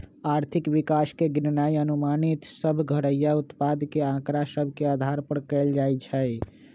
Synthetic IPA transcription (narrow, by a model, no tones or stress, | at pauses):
aɾt̪ʰikwikaskeɡinnajənumanit̪səbʱɡʱəɽəjːaut̪pad̪keãkɾasəbʱkead̪ʱaɾpəɾkɛld͡ʒajt͡ʃʰəj